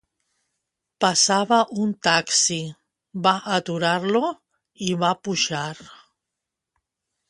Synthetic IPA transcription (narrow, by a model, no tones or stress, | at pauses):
pasaβaʔunt̪aksi | baʔat̪uɾaɾlo | iβapuʒaɾ